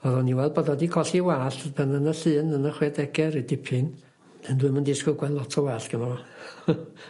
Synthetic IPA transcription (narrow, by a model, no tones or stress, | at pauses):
ɔðɔniwɛlˠbɔdɔdikʰɔɬiwaːɬbʰənənəɬɨnənəχwɛdɛɡɛɾidɪpʰɨn | d̥ɛndwʊɨməndɪskɔɡwɛlˠɔtʰɔwaːɬɡ̥ənɔɔ